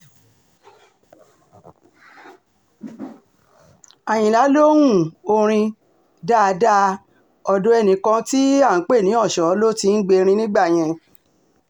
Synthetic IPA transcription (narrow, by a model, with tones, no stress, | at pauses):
a˨j̃ĩ˨la˨˦lo˦wũ˦˨o˧ɾ̃ĩ˧ | da˦˨˧da˦ | ɔ˧dõ˨˦ɛ˦˨nĩ˨˦kã˧ti˦a˦˨˦k͡pe˦˨nĩ˨˦ɔ˦˨ʃɔ˨˦lo˦ti˦n̩˦ɡ͡be˧ɾ̃ĩ˧nĩ˦ɡ͡ba˦˨j̃ɛ̃˧